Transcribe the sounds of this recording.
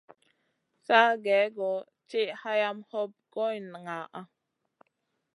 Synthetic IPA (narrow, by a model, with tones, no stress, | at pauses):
sa˦ɡɛ˨˦ɡɔ˨ | t͡ʃe˦ʔha˦ja˦mho˦p̚ɡo˦jn˨ŋa˨ʔa˦